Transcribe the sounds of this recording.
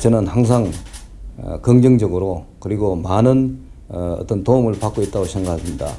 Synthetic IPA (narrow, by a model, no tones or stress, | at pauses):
t͡ɕʌnɯnhaŋs̬ʰaŋ̰ | kʌŋd͡ʑɯŋd͡ʑʌɡɯɾokɯɾiɡomanɯn | ʌ̰t͈ʌntoumɯɭpak͈oit̚t͈aɡoɕʰenɡaasʰɯmɲida̰